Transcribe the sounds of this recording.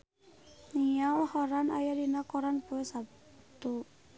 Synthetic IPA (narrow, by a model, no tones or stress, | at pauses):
nijawhɔɾanajadinakɔɾanpuɛsab̚t̪u